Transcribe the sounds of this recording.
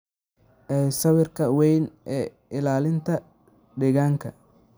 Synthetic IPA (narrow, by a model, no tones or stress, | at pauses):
ʔɛːsɐβɪrkʰɐwɛjnʔɛː | ɪlaːlɪnt̪ʰɐ | ɖɛɣaːŋkʰɐ